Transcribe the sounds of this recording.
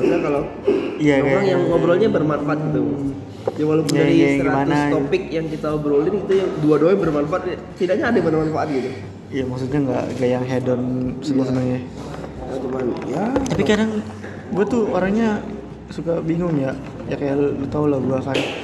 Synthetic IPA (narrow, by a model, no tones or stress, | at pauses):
aɲakala | ijaeɡaaŋjaŋobɾɔlɲabərmanfaʔat̪̚ɡit̪u | d͡ʒawalakunaiɡajɡiamannaopɪk̚jaŋkit̪aɔbɾolɪnit̪ujaŋduadoɛŋbərmanfaat̪ | t̪idaʔɲaːdamanamanfaʔat̪̚ɡit̪u | ijamaksut̪̚ɲaŋɡa̰ʔŋɡaʔjaŋɦɛdɔnsəmuas̬ənəŋɲa | jat̪umanjat̪apikadaŋ | ɡuat̪ʊoɾaŋɲa | sukabiŋʊŋjaʔ | jakajaɡt̪aulahɡuasaɪ